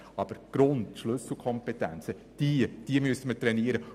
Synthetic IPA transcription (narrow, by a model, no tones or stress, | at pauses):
ɑb̥əɾɡ̥ɾʊndʃlɵsl̩ˠkʰɔmpɛtænt͡sə | d̥id̥iəmyəsəmətɾɛniːɾə